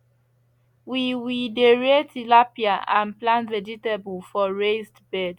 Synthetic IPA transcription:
wiwideɹetilapiaʔãnplãntvɛd͡ʒitabulfɔɹezdbɛd

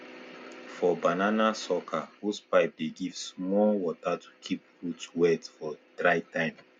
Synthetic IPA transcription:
fɔbananasɔkʰahuspaɪp̚deɡivsmɔlwɔtatʰu̥kʰip̚ɹutwɛtfɔd̥ɹaɪtãɪ̃m

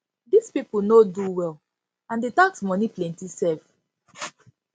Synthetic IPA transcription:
dispipunoduwɛl | ãndetãksmɔniplɛ̃ntisɛf

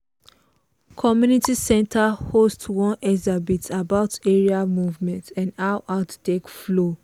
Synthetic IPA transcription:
kʰɔmjunitisɛ̃ntʰahostwɔ̃nɛzabitabaʊteɹiamuvmɛ̃ntʰãndaʊʔaʊttekflo

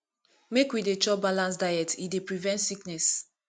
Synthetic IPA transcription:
mekwidet͡ʃɔbalãnsdajɛtidepɹivɛ̃ntsiknɛs

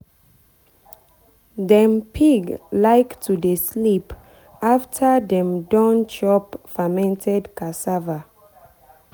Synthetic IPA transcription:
dɛ̃mpʰiɡlaɪktʰudeslip | aftʰadɛ̃mdɔ̃nt͡ʃɔpfamɛ̃ntʰɛdkasava

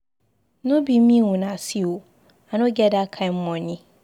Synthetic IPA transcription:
nʊ̃bimĩwũnãsiwo | anʊ̃ɡɛdakʰãm̩mɔ̃ɲɪ̃

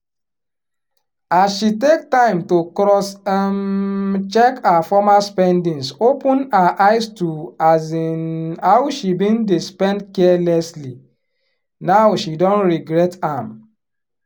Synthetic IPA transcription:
asʃitek̚tãɪ̃mtokɾɔsamt͡ʃɛkafɔmaspɛ̃ndĩnsopũnaʔaɪstuazinawʃibĩndespɛ̃ndkɛlɛsli | naʊwʃidɔ̃nɹiɡɾɛtãm

